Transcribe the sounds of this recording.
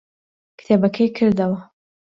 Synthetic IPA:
kɨ̥t̪ʰebɐkʰɐjkʰɨɾd̪ɐwɐ

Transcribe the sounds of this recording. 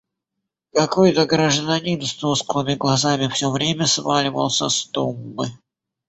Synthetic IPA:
kɐkojt̪əɡɾəʐd̪ɐnʲinst̪usklˠɨmʲɪɡlˠɐzamʲɪfsʲovɾʲemʲəsvalʲɪvə̰lˠsʲəst̪umːɨ

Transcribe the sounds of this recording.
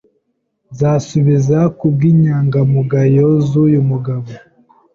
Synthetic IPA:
zasuβizakub̚ɡiːɲaːŋɡamuɡajozujumuɡaβo

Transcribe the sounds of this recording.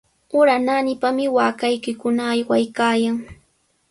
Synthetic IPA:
ʊɾananɪpamɪwaːkajkɪkʊnaːjwajkaːjaŋ

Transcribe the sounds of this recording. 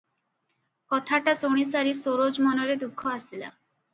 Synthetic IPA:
kɔt̪ʰaʈasoɽ̃isaɾisoɾod͡ʑmɔnoɾed̪ukʰːoasila̰

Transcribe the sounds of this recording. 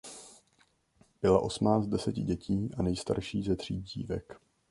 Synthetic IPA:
b̥ɪlaʔo̞smnaːt͡st̪dɛsɛcɪɟɛcʰiːʔanɛjst̪a̰ɾʃiːzɛd̪r̝̥iːɟḭːvɛk

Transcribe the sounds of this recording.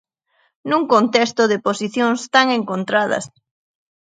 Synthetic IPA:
nuŋkont̪ɛst̪oðɪposiθjoŋst̪aŋeŋkont̪ɾað̞ɐ̰s

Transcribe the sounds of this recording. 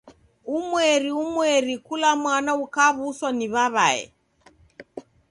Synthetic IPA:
umwɛɾiumwɛɾikulamwanaukaβuswaniβaβa̰ɛ̰

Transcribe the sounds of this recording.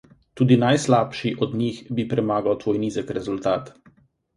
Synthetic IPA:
t̪uːd̪inajslaːpʃiʔɔd̪nixbipɾɛmaːɡawt̪ʋɔjniːzəkɾɛzult̪aːt̪

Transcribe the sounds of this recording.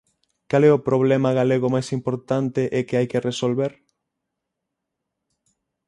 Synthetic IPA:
kalɛopɾoβ̞lɛmɐɣaleɣomajsimpoɾt̪ant̪eʔɛkeajkeresolβeɾ

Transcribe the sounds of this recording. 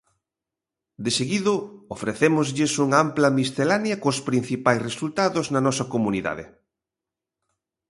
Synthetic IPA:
d̪eseɣiðʊofɾeθemʊzʎɪsuŋamplɐmist̪elanjɐkospɾin̟θipajsresult̪aðʊznɐnɔsɐkomuniða̰ðɪ̰

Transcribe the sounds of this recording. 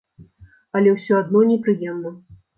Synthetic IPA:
ɐlʲɛwsʲɔad̪nɔnʲɛpɾɨjɛmnɐ

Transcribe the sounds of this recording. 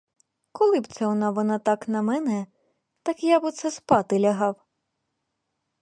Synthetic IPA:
kɔlˠɪbt̪sɛɔnɑʋɔnɑt̪ɑknɐmɛnɛ | t̪ɑkjabɨt̪sɛspɑt̪ɪlʲɐɦɑw

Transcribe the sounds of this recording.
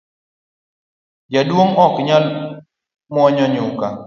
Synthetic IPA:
d͡ʒadwoŋɔkɲal | mwɔɲɔɲʊka̰

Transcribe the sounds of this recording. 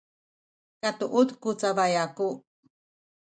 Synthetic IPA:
kat̪uʔut̪kut͡saβajaku

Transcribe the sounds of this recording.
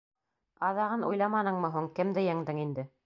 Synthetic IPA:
ɑðɑʁɤnṵjlˠɑmɑnɤ̆ɴmɤ̆ɦuɴkɘmd̪ɘjæŋd̪ɘŋind̪ɘ

